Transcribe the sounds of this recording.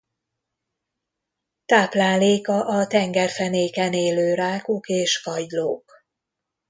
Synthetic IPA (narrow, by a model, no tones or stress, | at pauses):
t̪aːplaːleːkɒʔɒt̪ɛŋɡɛrfɛneːkɛneːløːɾaːkokeːʃkɒɟlo̰ːk